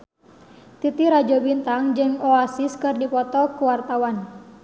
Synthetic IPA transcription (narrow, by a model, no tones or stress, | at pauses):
t̪it̪iɾad͡ʒɔbint̪aŋd͡ʒɨŋɔasiskɨrdipɔt̪ɔkuwart̪awan